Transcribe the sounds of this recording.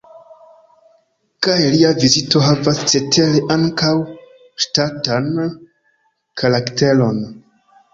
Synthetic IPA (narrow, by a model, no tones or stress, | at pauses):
kajliavizito̞ɦavast͡se̞tʰe̞leʔaŋkaw | ʃtatan | kʰaɾakte̞lo̞n